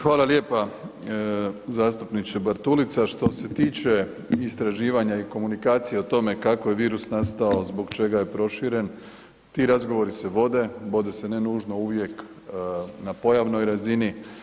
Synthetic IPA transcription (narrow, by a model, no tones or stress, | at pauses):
xʋaːlˠalje̞ːpa | zaːst̪upnit͡ʃ̪ebaɾt̪ulit̪saʃt̪o̞se̞t̪iːt͡ʃe̞ | ist̪ɾaʒiːʋaɲaiko̞munikaːt̪sijeot̪o̞me̞kako̞je̞ʋiːɾusnast̪aozbo̞ɡt͡ʃe̞ɡaje̞pɾo̞ʃiɾe̞n | t̪iːɾazɡo̞ʋo̞ɾise̞ʋo̞d̪e̞ʋo̞d̪e̞se̞ne̞nuːʒno̞uʋje̞k | napo̞jaʋno̞jɾazini